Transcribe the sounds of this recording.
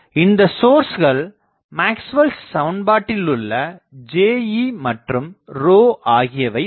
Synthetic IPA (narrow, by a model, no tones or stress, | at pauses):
ɪnd̪ɐsoːɾsɣɐɭ | maːksʋɐlssɐʋɳbaːʈːɪlʊɭːɐd͡ʒeːjimɐʈrɯmɾoːʔaːɣɪjɐʋɐɪ